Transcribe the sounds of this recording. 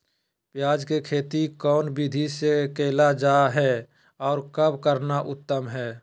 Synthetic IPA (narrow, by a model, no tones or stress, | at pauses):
pjaːd͡ʒkekʰeːt̪ikɔːnbid̪ʱisekeːlad͡ʒaːɦɛː | ɔːɾkəbʱkəɾnaʔʊt̪ːəmɦɛː